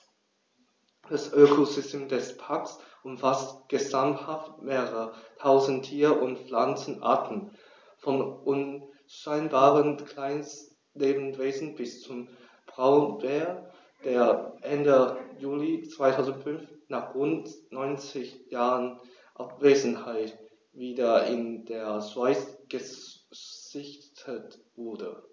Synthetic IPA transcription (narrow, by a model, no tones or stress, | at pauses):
d̥asʔøːkʰozʏstʰeːmdɛspʰaɐksʔʊmfastɡ̥əzamhaftmeːəʁətʰaʊzn̩tʰiːɐʔʊntflant͡sn̩ʔa̰ɐtn̩ | fɔnʔʊn | ʃaɪnbaːʁənkʰl̥aɪns | leːbn̩v̥eːzn̩bɪst͡sʊm | b̥ʁaʊənbeːɐ | d̥eːɐʔɛndəjuːlit͡sv̥aɪtʰaʊzn̩tfʏnfnaːχʁʊntnɔʏnt͡sɪçjaːʁən | ʔapveːzn̩haɪt | viːdɐɪndeːɐzwaɪsɡ̥ə | z̥ɪçtʰətv̥ʊɐdə